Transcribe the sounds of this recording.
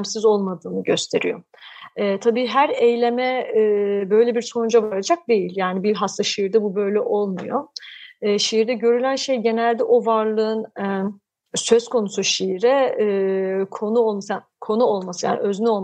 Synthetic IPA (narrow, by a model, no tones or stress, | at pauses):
msizo̞lˠmad̪ɯːnɯɟø̞st̪ʰe̞ɾḭjo̞̰ | ɛːt̪ʰabiːɦæɾejlʲe̞mɛː | bø̞jlʲebiɾso̞nud͡ʒavaɾad͡ʒak̚d̪e̞jilʲjaːnibilʲɦast̪ʰaʃijiɾd̪ɛbubø̞jlʲɛʔo̞lˠmujo̞ː | ʃiiɾd̪ɛɟø̞ɾylʲænʃe̞jɟe̞nælʲd̪ɛʔo̞vaɾlˠɯɯn | sø̞zkʰo̞nusuʃijiɾɛ | kʰo̞nuolˠmasa | kʰo̞nuolˠmasɯja̰ːn̰ʔøznyo̞lˠ